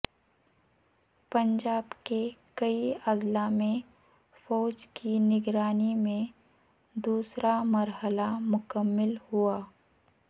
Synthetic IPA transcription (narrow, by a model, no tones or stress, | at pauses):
pɐ̃ɲd͡ʒaːbkekəiədlamẽ | fɔːd͡ʒkinɪɡɾaːnimẽ | d̪uːsɾʔamɐɾɦəlamʊkəmːɪlhuaː